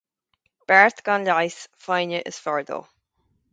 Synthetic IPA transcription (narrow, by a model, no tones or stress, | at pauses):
b̥ɛɹt̪ɡ̥ɑnlajsfajnəʔɪ̰sfɔɹd̪ə̰lˠ